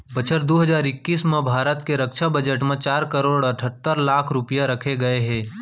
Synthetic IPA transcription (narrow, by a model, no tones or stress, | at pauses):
bət͡ʃʰəɾd̪oːɦəd͡ʒaːɾɪkːiːsmẽbʱaːɾət̪keɾɐkʃabɐd͡ʒəʈmẽt͡ʃaːɾkəɾoːɽɐʈʰət̪ːəɾlaːkʰɾʊpijaɾɐkʰeɡɐeɦɛ̃ː